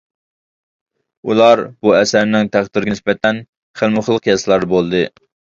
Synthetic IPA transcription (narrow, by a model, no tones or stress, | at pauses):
ulˠɑɾbuɛsæɾnɪŋt̪ʰæχd̪ɪɾɪɡʲɪɪsbɛt̪ʰɛn | χəlˠmɨχəlˠəqjɑsɨlˠɑɾd̪ɨbolˠd̪ɨ